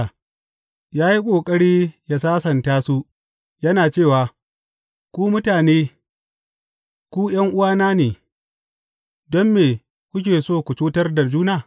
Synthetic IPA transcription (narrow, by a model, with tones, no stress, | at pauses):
jaː˦ji˦kʷʼoː˨kʼɐ˦ɽiː˦jaː˦saː˦sɐ˨ntaː˦su˦ | jɐ˦naː˨t͡ʃeː˦˨waː˨ | kʷuː˦mʊ˦taː˨neː˦ | kʷuː˦j̰ɐ˦ŋʔʊ˦waː˦naː˦neː˨ | dɔ˦mːeː˨ | kʷʊ˦k̬ʲeː˨soː˦˨kʷʊ˨t͡ʃuː˦tɐ˦rda˨d͡ʒuː˦naː˨